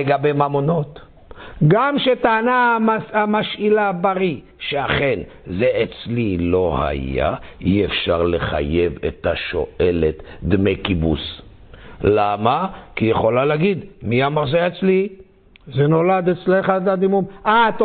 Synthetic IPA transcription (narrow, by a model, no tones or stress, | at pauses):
eɡabejmamono̞t̪ | ɡamʃet̪aːnaamaʃilabaʁi | ʃeaχe̞n | zeet͡slilo̞ha̰ja̰iefʃaʁleχa̰jevḛt̪aʃo̰ʔʔe̞let̪d̪mejkibṵs | lamakijeχo̞laleaɡid̪miamaʁzeet͡sli | zeno̞lad̪et͡sleχat̪ad̪imumat̪